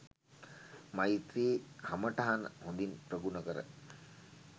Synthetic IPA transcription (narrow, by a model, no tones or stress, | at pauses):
majt̪ɾiːhaməʈaɦanəhond̪inpɾəɡunəkəɾə̰